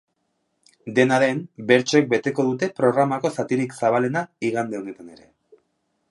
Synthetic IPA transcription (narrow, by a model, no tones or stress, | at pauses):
d̪e̞naðe̞mbe̞ɾt͡ʃoek̚be̞t̪e̞ko̞ðut̪e̞pɾo̞ɣ̞ɾamako̞sat̪iɾiksaβ̞ale̞naiɣand̪e̞o̞ne̞t̪ane̞ɾe̞